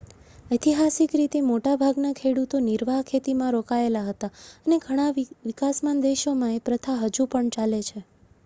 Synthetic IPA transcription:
ət̪iɦasikɾit̪emoʈabʱaɡnakʰeɽut̪oniɾʋaɦkʰet̪imãɾokaelaɦət̪aəneɡʱəɽ̃aʋikasmand̪eʃomãepɾət̪ʰaɦəd͡ʒupəɳt͡ʃalet͡ʃʰe

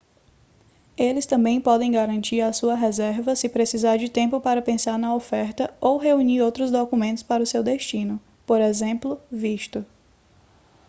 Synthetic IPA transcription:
elɪst̪ɐ̃mbẽj̃pɔd̪ẽj̃ɡaɾɐ̃nt͡ʃiɾɐsuɐɦɛzɛɾvɐsɪpɾesizaɾd͡ʒɪt̪ẽmpʊpaɾɐpẽsaɾnɐofɛɾt̪ɐowɦeuɲiɾowt̪ɾʊzd̪okumẽnt̪ʊ̥spaɾɐʊsewd̪eʃt͡ʃĩnʊ | poɾɛzẽplʊviʃt̪ʊ

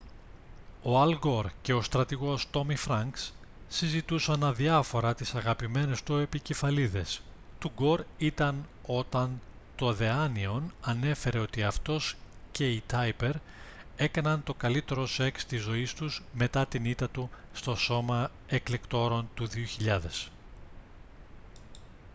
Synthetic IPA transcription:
o̞ɐlɡo̞ɾce̞o̞st̪ɾɐt̪iɣo̞st̪o̞mifɾɐŋks | sizit̪usɐnɐðiɐfo̞ɾɐt̪isɐɣɐpime̞ne̞st̪ue̞pice̞fɐliðe̞s | t̪uɡo̞ɾit̪ɐn | o̞t̪ɐn | t̪o̞ðe̞ɐnio̞nɐne̞fe̞ɾe̞o̞t̪iɐft̪o̞sce̞it̪ɐjpe̞ɾ | e̞kɐnɐnt̪o̞kɐlit̪e̞ɾo̞se̞kst̪izo̞ist̪uzme̞t̪ɐt̪init̪ɐt̪u | st̪o̞so̞mɐ | e̞kle̞kt̪o̞ɾo̞nt̪uðioçiʎɐðe̞s

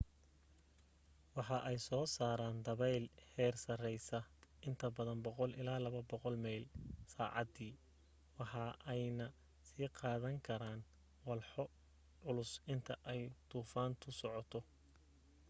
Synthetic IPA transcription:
wɑħɑʔɛjsɔːsaːɾaːnd̪ɐβɛjlhɛːrsɐrɛjsɐɪnt̪ʰɐbɐðɐnbɔqɔlɪ̰laːlɐβɐbɔqɔlmɛjlsaːʕɑ̰d̪iː | wɑħɑʔɛjnɐ | siːqɑːðɐŋkʰɐɾaːn | wɑlħɔ | ʕʊlʊsɪnt̪ʰɐʔɛjd̪̥uːfaːnt̪ʰʊsɔʕɔt̪ʰɔ

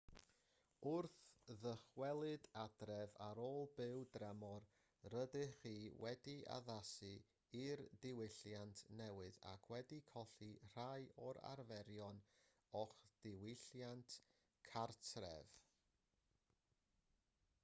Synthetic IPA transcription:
ʊrθðəχwɛlˠɨdadrɛvaɾoːlˠbɪwdrɛmɔr | rədɨχiːwɛdia̰ðasɨ | irdɪwɪɬjantʰnɛwɨða̰kʰwɛdikʰɔɬir̥ajɔɾa̰ɾvɛɾjɔn | ɔχd̥ɪwɪɬjantʰ | kʰartʰrɛ̰v

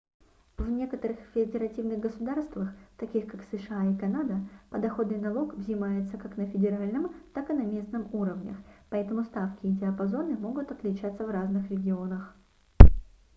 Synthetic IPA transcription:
vnʲe̞kət̪əɾɨxfʲɪɐdʲɪɾɐtʲivnɨɣɡəsʊd̪arst̪vəxt̪ɐkʲixkaksɨʂɨaikɐnad̪əpəd̪ɐxo̞d̪nɨnɐlˠo̞kvzʲɪmajɪt̪səkaknəfʲɪdʲɪɾalʲnɨmt̪akɨnɐmʲe̞snɨmuɾəvnʲə̰xpɐɛt̪əmʊst̪afkʲɪːdʲɪɐpɐzo̞nɨmo̞ɡʊt̪ɐt̪lʲɪt͡ɕat̪sːəvraznɨxɾʲɪɡʲɪo̞nəx

